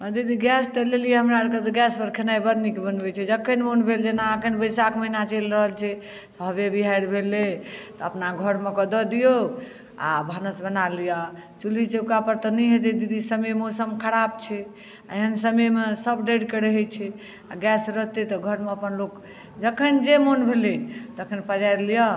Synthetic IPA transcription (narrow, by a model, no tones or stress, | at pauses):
əd̪id̪iɡɛst̪əlelijeɦəmɾaɾkeɡɛspəɾkʰenajbəd̪nikebənbɛt͡ʃʰɛd͡ʒəkʰːənmonbʱeld͡ʒenaːkʰənbəjsakməɦnat͡ʃelɾəɦəlt͡ʃʰɛ | t̪ɔɦəβebʱiɦajɽbʱelːet̪ɔəpnaɡʱəɾmekɔd̪ɔd̪ijo | a̰bʱanəsbənalijat͡ʃulit͡ʃeukapəɾt̪ɔnəɦed̪ed̪id̪isəmemosəmkʰəɽabt͡ʃʰɛ | eɦənsəmemesəbɖeɖkeɾəɦɛt͡ʃʰɛ | aɡɛsɾəɦt̪et̪ɔɡʱəɾmeəpənlok | d͡ʒəkʰənd͡ʒemonbʱelet̪əkʰənpəd͡ʒaɾlijɔ